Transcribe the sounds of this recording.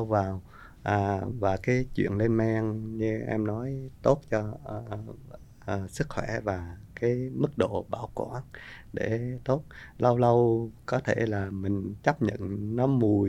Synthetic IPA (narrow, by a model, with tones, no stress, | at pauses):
wvaː˨˩w | ʔaː˨˩vaː˨˩kaː˨˦jt͡ɕwḭ˧˨ənle˧nmɛ˧ŋɲɨ˧ʔɛ˧mnɔ˨˦jt̪o˦˥t̚t͡ɕɔ˧˩ | əː˨˩sɨ˦˥k̚xwɛ˧˩vaː˨˩kaː˨˦jmɨ˦˥k̚ɗo̰˧˨ɓaː˧˩wkwa̰ː˧˥nɗe˧˩t̪o˦˥t̚lə˧wlə˧wkɔ˨˦t̪ʰe˧˩laː˨˩mï˨˩ŋ̟t͡ɕə˦˥p̚ɲə̰˧˨nnɔ˨˦mu˨˩əj